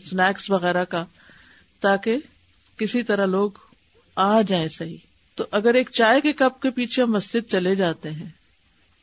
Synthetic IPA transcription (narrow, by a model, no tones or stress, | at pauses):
snɛːksʋɐɣɛːɾaka | t̪aːke | kɪsit̪ɐɾaloːɡ | aːd͡ʒaːẽsɐɦi | t̪oʔɐɡəɾeːk̚t͡ʃaːjkekɐp̚kepiːt͡ʃʰemːɐsd͡ʒɪd̪̚t͡ʃɐled͡ʒaːt̪eɦɛ̃ː